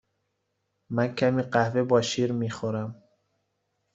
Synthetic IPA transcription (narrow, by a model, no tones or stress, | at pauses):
mænkʰæmiːɢæhvebɒːʃiːɾmixoɾæm